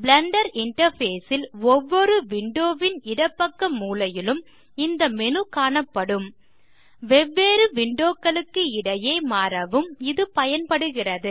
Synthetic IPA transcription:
blɐɳɖɐɾɪɳʈɐɾfeːsɪlɔʋːɔɾɯʋɪɳɖoːʋɪnɪɽɐpːɐkːɐmːuːlɐjɪlɯm | ɪnd̪ɐmɛnɯkaːɳɐpːɐɽɯm | ʋɛʋːeːɾɯʋɪɳɖoːkːɐɭɯkːɯɪɽɐjeːmaːɾɐʋɯmɪðɯpɐjɐnpɐɽɯɣɪrɐðɯ

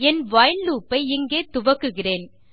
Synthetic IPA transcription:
ɛnʋɐjɐnluːpːɐɪɪŋɡeːt̪ʊʋɐkːɯɣɪreːn

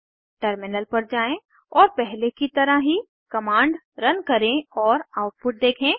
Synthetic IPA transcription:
ʈəɾmɪnəlpɐɾd͡ʒaːẽ | ɔːɾpɛɦlekit̪ɐɾaɦi | kɐmãːɳɖ | ɾɐnkɐɾẽɔːɾaːʊʈ̚pʊʈ̚d̪eːkʰẽː

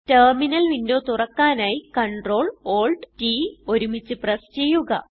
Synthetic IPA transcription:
terminɐlʋindoːt̪urɐkːaːnaːjikɐɳɖro̞ːɭoːlɖtiːo̞ɾumit͡ɕːɨprɐst͡ɕe̞jːuɣɐ̰

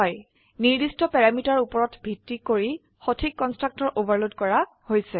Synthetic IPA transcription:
ɔj | niɹdistɔpɛɹamitaɹupɔɹɔtbʱitːikoɹi | xotʰikːɔnstɹak̚tɔɹʔobaɹlodkɔɹa | hojsɛ

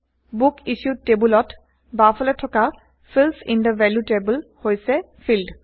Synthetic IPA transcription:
bukiʃutebulɔt | bafɔlɛtʰɔka | fʰilsindəvɛljutebəlhojsɛ | fʰild

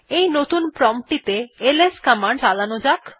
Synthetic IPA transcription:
ejnot̪unpɾɔmʈit̪eeleskamaɳɖt͡ɕalanod͡ʑak

